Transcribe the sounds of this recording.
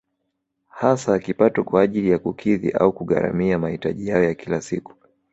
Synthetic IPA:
hasakipatɔkwaːʄilijakukʰiðḭʔa̰ukuɠa̰ɾa̰miamahitaʄijajɔjakilasiku̥

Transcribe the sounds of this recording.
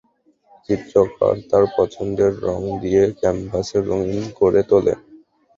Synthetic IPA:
t͡ɕit̪ːɾoka̰ɾt̪aɾpɔt͡ɕʰond̪eɾːɔŋd̪ijekɛmpaseɾoŋinkoɾet̪olḛ

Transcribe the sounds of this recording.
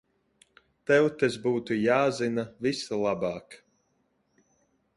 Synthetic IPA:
t̪ɛwt̪ezbuːt̪ujaːzinavisalˠabɑːk

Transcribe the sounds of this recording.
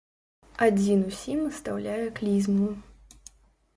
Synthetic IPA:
ad͡zʲinusʲimɐst̪awlʲajɛklʲizmuj

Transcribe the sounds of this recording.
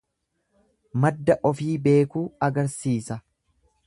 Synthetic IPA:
mɐd̪ːɐʔɔfiːbe̞ːkuːɐɡɐɾsiːsɐ

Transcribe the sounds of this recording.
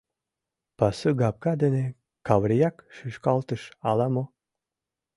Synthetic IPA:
pasɨɡap̚kad̪ene | kavɾʲijakʃɨʃkɑlˠt̪əʃalˠamo

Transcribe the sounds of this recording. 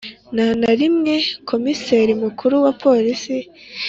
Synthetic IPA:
nanaɾimŋe̞kʰo̞miseɾimukʰuɾuwapʰo̞ːɾisi

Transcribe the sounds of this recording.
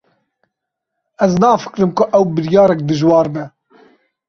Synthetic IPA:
ʔɛznɑːfɨ̥kɾɨmkʊʔɛwbɨɾjɑːɾɛk̚d̪ɨʒwɑːɾbɛ

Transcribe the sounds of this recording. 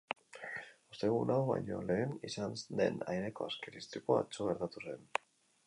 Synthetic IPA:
ost̪eɣunawβa̰jɲo̞̰le̞ːnisansd̪e̞̰najne̞ko̞askeɾist̪ikoa̰t͡ʃoɣ̞e̞ɾt̪at̪use̞n

